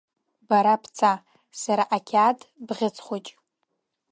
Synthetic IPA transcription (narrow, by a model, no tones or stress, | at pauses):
baɾapʰt͡sʰa | saɾaʔakʲʰadbʁʲɪt͡sʰʼχʷot͡ʃʼ